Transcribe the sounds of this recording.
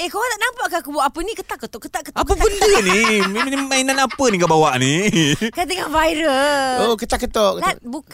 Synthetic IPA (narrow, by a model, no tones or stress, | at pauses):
ehkowat̪aʔnampaʔkaakubwaʔapənikət̪aʔkːət̪oʔkət̪aʔkət̪apəbəndənimemnimainanapəniŋɡabawaʔnikat̪əŋahvajɾəokət̪aʔkːət̪oʔkəlabuk